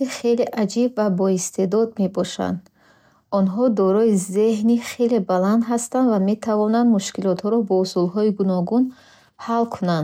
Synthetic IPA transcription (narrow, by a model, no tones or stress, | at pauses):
iχe̞le̞ʔad͡ʒibvabɔist̪ʰe̞d̪ɔd̪̚me̞bɔʃa̰nd̪ | ɔnɦɔd̪ɔɾɔize̞ɦniχe̞le̞baland̪ɦast̪and̪vame̞t̪ʰavɔnand̪muʃkilɔt̪hɔɾɔbɔusulɦɔiɡunɔɡun | halkʰunand̪